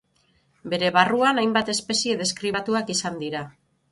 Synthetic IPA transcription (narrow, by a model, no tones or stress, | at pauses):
be̞ɾe̞βaruanajmbat̪e̞spe̞sie̞ðe̞skɾiβat̪uakisand̪iɾa